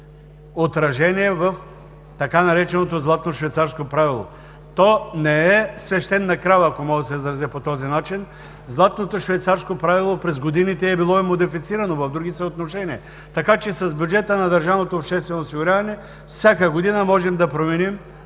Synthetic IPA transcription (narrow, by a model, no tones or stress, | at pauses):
ot̪ɾɐʒɛniɛvɐf | t̪ɐkanɐɾɛt͡ʃɛnot̪ozlˠat̪noʃvɛjt̪saɾskopɾavilˠo̰ | t̪ɔnɛɛsvɛʃt̪ɛnːɐkɾavɐkomɔɡ̪əsɛzɾɐzɛpot̪ɔzinat͡ʃin | zlˠat̪not̪oʃvɛjt̪saɾskopɾavilˠopɾɛzɡod̪init̪ɛːbilˠɔimod̪ifit̪siɾɐnovɐvd̪ɾuɡisɛot̪noʃɛniɛ | t̪ɐkat͡ʃɛsɐzbʲjud͡ʒɛt̪ənɐd̪ɐɾʒavnot̪oːpʃt̪ɛst̪vɛnoːsiɡʊɾʲavɐnɛ | fsʲjakəɡod̪inɐmɔʒɛmd̪ɐpɾomɛnim